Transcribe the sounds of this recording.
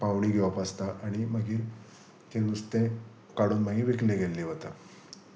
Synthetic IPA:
paʋɳiːɡʱeʋapast̪aʔaɽ̃iməɡiːɾ | t̪ẽnust̪ẽ | kaɽuːnməɡiːʋekleɡelːeɦot̪a

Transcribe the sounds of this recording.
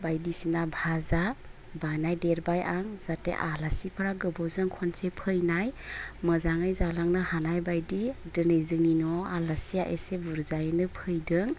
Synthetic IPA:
bajdisinabʱaza | banajdeɾbajaŋzatḛʔalasipʰɯɾaɡɯbɔzɯŋkʰɔnsepʰɯjnajməzaŋajzalaŋnɯhanajbajdidɯnejzɯŋninɔalasijaʔesebuɾzajnɯpʰɯjdɯŋ

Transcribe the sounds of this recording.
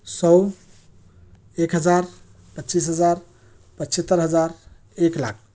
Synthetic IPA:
sɔw | ekɦəd͡ʒaɾ | pətːt͡ʃisɦəd͡ʒaɾ | pət͡ʃət̪ːəɾɦəd͡ʒaɾ | ekla̰k̚ʰ

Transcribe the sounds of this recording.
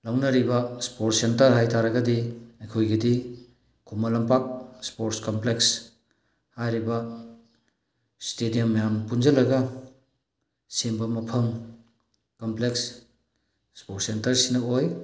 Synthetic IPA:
lawnɐɾibɐspoɾtsentɐɾɦajtʰaɾɐɡɐdiɐjkʰojɡidi | kʰumɐlɐmpak̚spoɾtskompleks | hajɾibɐ | stedijomːɐjampund͡ʒɐlɐɡɐ | simbɐmɐpʰɐm | kompleksː | poɾtsentɐɾsinɐoj

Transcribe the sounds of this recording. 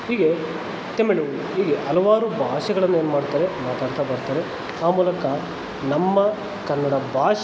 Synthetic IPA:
ɦiːɡe | t̪emeɳuu | ɦiːɡeʔɐlɐʋaːɾubʱaːʂɐɡɐɭɐnːueːnumaːɽt̪aːɾemaːt̪aːɽt̪abɐɾt̪aːɾe | aːmuːlɐkɐ | nɐmːɐ | kɐnːɐɽɐbʱaːʃ

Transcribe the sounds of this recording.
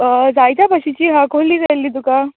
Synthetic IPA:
d͡zajt̪apəɕit͡ɕiːɦãkoliːd͡zajlːiːd̪uka

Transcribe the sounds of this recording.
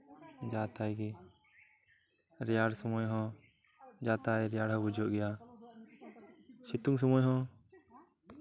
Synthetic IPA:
d͡ʒat̪ajɡɛ | ɾɛjaɽsɔmɔjɦɔ̃ | d͡ʒat̪ajɾɛjaɽɦɔ̃bud͡ʒɔʔɡɛja | t͡ʃit̪uŋs̬ɔmɔjɦɔ̃

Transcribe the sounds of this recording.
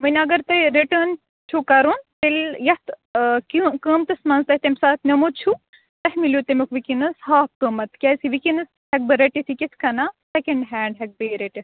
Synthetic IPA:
mɐnʲɐɡɐɾt̪ɐɾiʈəːn | t͡ʃʰukɐɾunt̪eljɐt̪kkəːmt̪ɨsmɐnzt̪ɐhʲt̪ɐmsaːt̪nʲɐmut̪̚t͡ʃʰu | t̪ɐɦmilʲjut̪ɐmukʰʋikinɨsɦaːp̚kəːmɐt̪kʲɐːsiʋikinɨs | hɐk̚bɨɾɐʈit̪ʰikit̪ʰkɐnaːsɐkɐɳɖɦæːɳɖɦɐk̚beɾeʈis

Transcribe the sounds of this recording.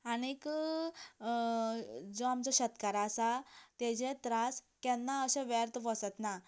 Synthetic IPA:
anik | d͡zɔamt͡ɕaɕət̪kaɾasat̪ed͡ʑet̪ɾaskɛnːaəɕẽʋɛɾt̪ʋəsət̪na

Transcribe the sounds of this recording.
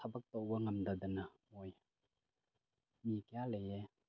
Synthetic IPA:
tʰɐbɐk̚towbɐŋɐmdɐd̪ɐnɐ | oj | mikijalɐje

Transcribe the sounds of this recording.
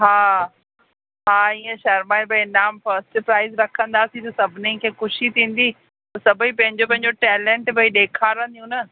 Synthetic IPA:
ɦaː | ɦaːiːẽʃɐɾmaːebʱɐinaːmfɐɾsʈpɾaːɪzɾɐkʰə̃nd̪aːsĩt̪ɐsɐbʱɪnikʰeːxʊʃit̪ʰĩːn̆d̪iː | ɐsɐbʱipɐ̃ɦɪ̃ɲd͡ʑopɐ̃ɦɪ̃ɲd͡ʑoʈɛːlẽɳʈbʱɐiɗeːkʰaːɾə̃nd̪ijũnɐ

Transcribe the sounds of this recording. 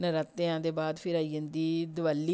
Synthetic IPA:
nəɾaːt̪ːeãːd̪eːbaːd̪pʰɪɾaːiːə̃nd̪iːd̪ʊʋaːlːiː

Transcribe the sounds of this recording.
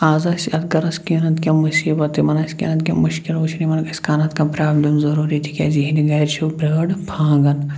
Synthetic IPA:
aːzaːsɐt̪ɡɐɾɐskiːnɐt̪kʲamusiːbɐt̪imɐnaskʲḭːnɐt̪kʲɐ̰mʊʃkiloːt͡ʃʰinimɐnɐkɐskaːnat̪kapɾaːblimzɐɾuːɾit̪ʰi̥kʲɐziɦiniɡɐɾt͡ʃʰubɾəːɽpʰãːɡɐn

